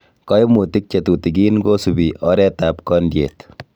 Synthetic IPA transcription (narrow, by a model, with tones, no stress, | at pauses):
kɔ˦jmu˨ti˦k̚t͡ʃe˨tu˨ti˨ɡiː˦nɡo˦su˨biʔɔ˦ɾɛ˦ta˨p̚kɔndjḛ˨t̪